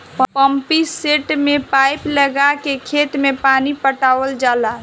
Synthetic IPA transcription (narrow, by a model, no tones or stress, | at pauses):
ppəmpiseʈmepajpləɡakekʰet̪mepanipəʈaʋəld͡ʒala